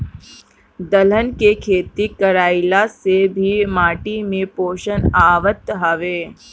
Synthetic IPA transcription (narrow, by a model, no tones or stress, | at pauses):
d̪ələnkekʰeːt̪ikəɾaːɪlasebʱimaːʈimẽpoːʃənaːʋət̪ɦaʋeː